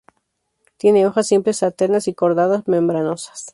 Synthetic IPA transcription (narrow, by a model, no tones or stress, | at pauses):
t̪je̞ne̞o̞xasːimplesat̪enasiko̞ɾðaðazmẽmbɾano̞sḁs